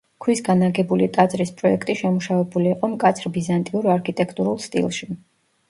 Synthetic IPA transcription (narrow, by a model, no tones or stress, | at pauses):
kʰwisɡanaɡɛbulit̪ʼad̪zʼɾispʼɾɔɛkʰt̪ʼiʃɛmuʃavɛbuliːqʼɔmkʼat̪sʰɾbizant̪ʼiuɾaɾkʰit̪ʼɛkʰt̪ʼuɾulˠst̪ʼḭlˠʃi